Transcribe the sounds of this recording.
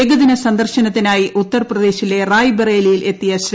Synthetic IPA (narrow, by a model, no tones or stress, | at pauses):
eɡɐðinɐsɐnd̪ɐrɕɐnɐt̪ːinaːjiʔut̪ːɐrprɐd̪e̞ːɕile̞raːjbereːlijile̞t̪ːijɐɕɾ